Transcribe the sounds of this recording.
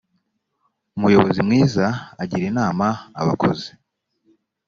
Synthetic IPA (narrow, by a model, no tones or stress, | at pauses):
umujo̞βo̞zimŋiːzaːɟiɾinaːmaa̰βa̰kʰo̞̰ze